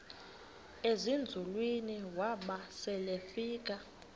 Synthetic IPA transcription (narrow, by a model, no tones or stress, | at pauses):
ezind͡zʱulwiniwaɓasɛlefiːk̬ʼa